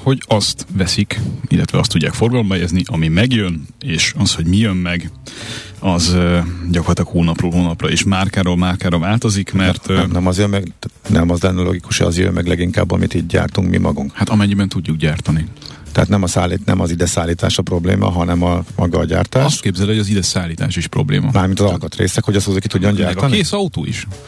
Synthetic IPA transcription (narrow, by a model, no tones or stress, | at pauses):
ho̞ɟɒst̪ʋɛsikilːɛt̪ʋɛɒst̪ːuɟːaːkfo̞rɡɒlo̞mbɒɛɛzniʔɒmimɛɡjøneːʃɒsho̞ɟmijømmɛɡ | ɒzɟɒkorlt̪ɒkhoːlnɒproːlɦoːnɒprɒiʃmaːrkaːɾoːlmaːrkaːɾɒvaːlt̪o̞zikmɛrt̪nɛmɒzjømmɛɡnʔɛmɒzlɛnːɛlo̰ɡikuʃɒ̰zjø̰mːɛɡlɛɡiŋka̰ːbːɒ̰mit̪iːɟɟa̰ːrt̪uŋkmḭmʔɒ̰ɡuŋkhat̪ɒmɛɲːibɛnt̪uɟːukɟaːrt̪ɒnit̪ɛɦa̰t̪nɛmɒsaːlinɛ̰mɒzid̪ɛsaːlːiːt̪a̰ːʃɒpro̞blḛːmʔɒ̰ɦɒnɛmɒmɒɡɒːɟa̰ːrt̪aːʃst̪keːbzɛlihoɟɒzid̪ɛsaːlːiːt̪a̰ːʃiʃpro̞bleːmɒmaːrmint̪ɒzɒlkɒt̪rḛːsɛkho̞ɟɒsozoki̥t̪uɟːoɲɟaːrrt̪ɒnieːsɒut̪o̰ːḭʃ